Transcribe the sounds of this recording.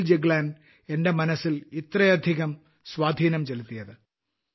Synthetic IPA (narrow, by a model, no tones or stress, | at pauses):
ld͡ʑeɡlaːn | e̞nde̞mɐnɐsːilit̪rɐjɐd̪ʱiɣɐm | swaːd̪ʱiːnɐmt͡ɕelut̪ːijɐðɨ